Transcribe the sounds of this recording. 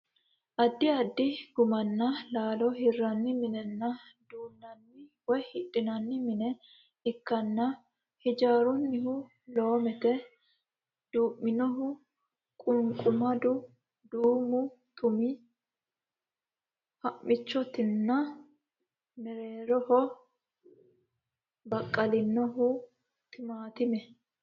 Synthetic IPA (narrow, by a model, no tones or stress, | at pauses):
ʔɐd̪ːɪɐd̪ːɪɡʊmɐnːɐlaːlɔhɪrːɐnːɪmɪnɛnːɐd̪uːnnɐnːɪwɔjhɪᶑɪnɐnːɪmɪnɛ | ɪkːɐnːɐ | hɪd͡ʒaːɾʊnːɪhʊ | lo̞ːmɛt̪ɛ | d̪̥uːmːɪnɔɦʊ | kʼʊŋkʼʊmɐd̪ʊ | d̪uːmʊt̪ʊmɪ | hɐʔːɪt͡ʃːɔt̪ɪnːɐ | mɛɾeːɾɔhɔ | bɐkʼːɐlɪnːɔɦʊ | t̪ɪmaːt̪ɪmɛ